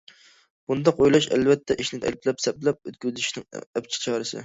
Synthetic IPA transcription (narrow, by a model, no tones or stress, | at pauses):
b̥und̪ɑqojlˠɑʃæ̰lvɛt̪ʰːɛʔiʃnɪt̪ʰɛ̰lp̪̚lɛpsɛplɛp̚øt̪kʲʰyzɪʃnɪŋɛp̚t͡ʃʰɪ̥t͡ʃʰɑːɾɨsɪ̰